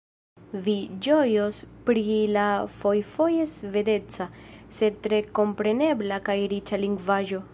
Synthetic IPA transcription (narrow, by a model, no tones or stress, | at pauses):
vid͡ʒo̞jo̞spɾilafo̞jfo̞je̞sve̞de̞t͡sase̞d̚tɾe̞ko̞mpɾe̞ne̞blakajɾit͡ʃaliŋɡvaʒo̞